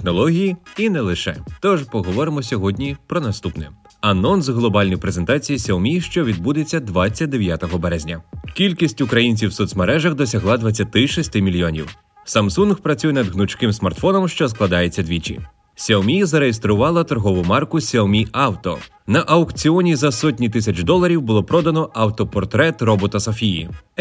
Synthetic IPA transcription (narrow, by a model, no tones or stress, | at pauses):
texnɔlˠɔɦʲijiinɛlˠɪʃɛ̰t̪ɔʒpɔɦɔʋɔɾɪmɔsʲɔɦɔdʲnʲipɾɔnɐst̪upnɛ̰ɐnɔnsɦlˠɔbɑlʲnɔjipɾezent̪ɑt͡sʲijisʲɛɔmʲiʃt͡ʃɔʋʲid̪̚bud̪et͡sʲːɐd̪ʋɑt͡sʲːɐt̚ʲd̪eʋʲjat̪ɔɦɔbɛɾɛzʲnʲɐkʲilʲkʲisʲtʲʊkɾɐjinʲt͡sʲiwsɔt̪smɐɾɛʒɐxd̪ɔsʲɐɦlˠɑd̪ʋɐt͡sʲːɐt̪ɪʃisʲt̪ɪmʲilʲjɔnʲḭw | sɐmsunɣpɾɐt͡sʲujɛnɐd̪ɦnʊt͡ʃkɪmsmɐrt̪fɔnɔmʃt͡ʃɔsklˠɐd̪ɑjet͡sʲːɐd̪ʲʋʲit͡ʃḭ | sʲɛmʲijzɐɾejest̪ɾʊʋɑlˠɐt̪ɔrɦɔʋʊmɑrkʊsʲɛmʲiɑwt̪ɔ̰ | nɐʔɐwkt͡sʲiɔnʲizɐsɔtʲnʲit̪ɪsʲɐt͡ʃd̪ɔlˠɐɾʲiwbʊlˠɔpɾɔd̪ɐnɔɐwt̪ɔpɔrt̪ɾɛt̪rɔbɔt̪ɐsɔfʲijḭ